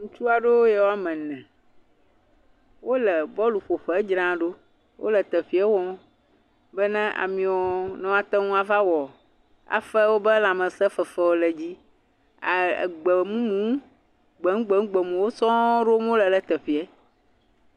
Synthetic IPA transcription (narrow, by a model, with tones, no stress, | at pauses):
ŋũ˦t͡ʃu˦a˨ɖo˦jɛ˨wo˦a˦˨mɛ̃˨nɛ̃˨ | wo˦lɛ˨bɔ˦lu˨ɸo˨ɸɛ˨˦d͡ʒɾã˦ɖo˦ | wʔo̰˦lɛ˨t̪ɛ˨ɸi˦ɛ˦wɔ̃˦ | bɛ˦nɛ̃˦ʔa̰˨mĩ˨wɔ˨nɔ̃˦a˨t̪ɛ˦ŋũ˦a˨va˦wɔ˨ | a̰˨fɛ˦wo˦bɛ˦lã˨mɛ̃˨sɛ˦fɛ˨fɛ˦wo˨lɛ˨d͡ʑi˦ | a̰˨ɡ͡bɛ˨mũ˦mũ˨˦ | ɡ͡bɛ˨ŋ̩˦ɡ͡bɛ˨˦ŋ̩u˦ɡ͡bɛ˨mũ˨wo˦sɔ̃˦ɖo˦m˦o˦lɛ˨lɛ˦˨t̪ɛ˨ɸi˨˦ɛ˦